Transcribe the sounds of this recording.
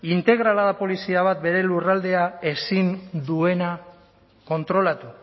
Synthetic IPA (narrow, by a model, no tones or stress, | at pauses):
int̪e̞ɣɾalaðapo̞lisiaβ̞at̪̚be̞ɾe̞lurald̪e̞ae̞sind̪ue̞na | ko̞nt̪ɾo̞lat̪u